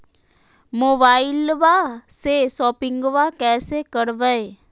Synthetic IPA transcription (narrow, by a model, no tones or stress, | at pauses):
moːbaːɪlʋasesɔːpɪ̃ŋɡʋakɛːsekəɾʋəe